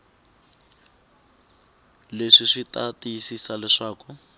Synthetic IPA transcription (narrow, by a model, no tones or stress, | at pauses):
leʂiʂitatisisalɛʂaːkʊ